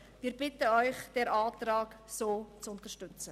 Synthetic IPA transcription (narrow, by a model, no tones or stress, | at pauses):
viːɾbɪtəɔʏχd̥ɛɾʔɑːtrɑːksoːt͡sʊntəʃtʏt͡sə